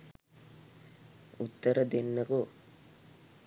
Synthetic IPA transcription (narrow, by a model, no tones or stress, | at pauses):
ut̪ːəɾəd̪enːɐko